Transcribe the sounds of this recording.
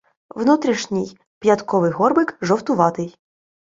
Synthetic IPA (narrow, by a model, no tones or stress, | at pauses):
ʋnut̪ɾʲiʃnʲij | pjɐt̪kɔʋɪjɦɔrbɪkʒɔwt̪ʊʋɑt̪ɪj